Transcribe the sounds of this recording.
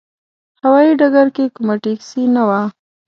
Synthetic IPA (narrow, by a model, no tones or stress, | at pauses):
hawɑjiɖaɡaɾkekumaʈeksinawa